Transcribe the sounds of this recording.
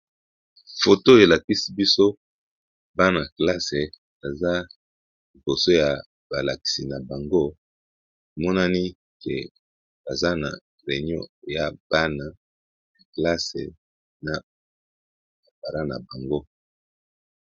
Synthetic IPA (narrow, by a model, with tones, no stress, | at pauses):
fo˨to˦e˨la˨ki˦si˦bi˦so˦ | ba˦na˨kla˦se˨ | a˨za˦ | li˨bo˨so˦ja˨ | b̥a˨la˨ki̥˨si˨na˨ba˨ŋɡo˦˨ | mɔ˦na˦ni˦ | ke˨ | b̥a˨za˦na̰˨ | ʁe˨ɲɔ̰˦˨ja˦b̥a˦na˨ | na˨kla˦sḛ˨ | na˨ | ba˨ba˨ɾa˦na̰˨ba˨ŋɡo˦